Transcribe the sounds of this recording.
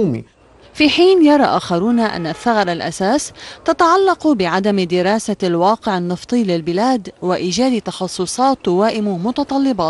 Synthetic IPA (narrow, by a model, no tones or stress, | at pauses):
mḭ | fiːħiːnjɑɾˤɑ̰ʔaːxɑɾuːnaʔa̰nːaθːaɣɑɾˤalʔa̰saːst̪at̪ɑʕalːɑqbɪʕad̪amd̪ɪɾɑːsalwɑːqɪʕɪnːɨft̪ˤɨːlɪlbɪlaːd̪wɪʔiːd͡ʒaːd̪it̪ɑxɑsˤːʊsˤɑːt̪ːwaːʔɪmmʊt̪ɑt̪ˤɑlːɪbɑːt̪